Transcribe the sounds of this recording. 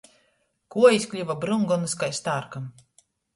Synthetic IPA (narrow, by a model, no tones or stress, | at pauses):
kuɔiskʲlʲivabɾuŋɡɔnɨskajst̪aːɾkam